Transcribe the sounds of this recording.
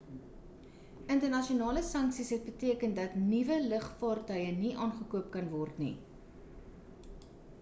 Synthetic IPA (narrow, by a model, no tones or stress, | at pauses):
əntərnɐʃionɑːləsɐŋksisɦɛt̚bətiəkəndɐtnivələχpɑːrtœjəniʔɑːnχəkuəp̚kɐnvɔrtnḭ